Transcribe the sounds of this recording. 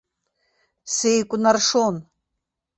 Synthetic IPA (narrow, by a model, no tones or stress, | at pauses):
sejkʷʼʊnarʂon